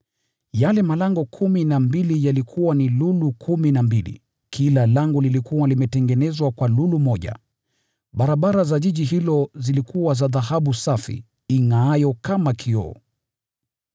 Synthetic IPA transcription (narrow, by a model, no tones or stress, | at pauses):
jalɛmalaŋɡɔkʰuminambilijalikʰuwanilulukʰuminambilḭ | kʰilalaŋɡɔlilikuwalimɛtɛŋɡɛnɛzwakwalulumɔʄa̰ | ɓaɾaɓaɾazaʄiʄiɦilɔzilikuwazaðaɦaɓusafḭː | ŋaajɔkamakʰiɔ̰